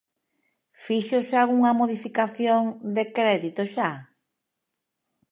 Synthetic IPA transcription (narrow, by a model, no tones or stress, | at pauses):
fiʃosealɣuŋɐmoðifikaθjoŋd̪ekɾɛðit̪oʃa